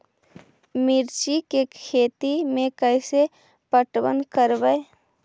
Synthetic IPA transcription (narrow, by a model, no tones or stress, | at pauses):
mɪɾt͡ʃikekʰeːt̪imẽkɛɪse | pəʈwə̰nkəɾbəe